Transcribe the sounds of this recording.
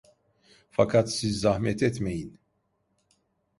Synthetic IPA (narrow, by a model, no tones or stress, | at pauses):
fɐkɐt̪sizɐhmɛt̪ɛt̪mɛjn